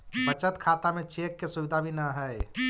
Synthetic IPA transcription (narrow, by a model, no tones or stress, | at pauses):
bət͡ʃət̪kʰat̪amet͡ʃekːesubid̪ʱabʱinəɦəj